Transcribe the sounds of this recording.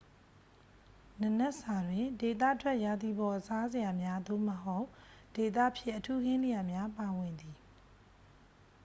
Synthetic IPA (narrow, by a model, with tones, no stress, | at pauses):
nə˨nɛ˦ʔsa˨dwɪ̃˨de˨t̪ä̰˦˨tʰwɛ˦ʔja˨d̪i˨bɔ˨ʔəsa˦zɪ˨ja˨mja˦d̪o̰˦˨məɦo˦ʊʔd̥e˨t̪ä̰˦˨ʔpʰjɪ̃˦˨ʔətʰu˦ɡɪ̃˦nlɪ˨ja˨mja˦pa˨wɪ̃˨nd̪i˨